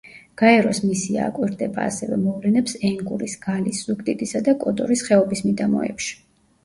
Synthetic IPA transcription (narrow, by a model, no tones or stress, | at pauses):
ɡ̥aɛɾɔsmisia̰ːkʼwiɾd̪ɛba̰ːsɛvɛ̰mɔvlɛnɛpsɛŋɡuɾisɡ̥alisːukt̪ʼit̪ʼisad̪akʼɔt̪ʼɔ̰ɾisχɛɔbismid̪amɔ̰ɛ̰pʃi̥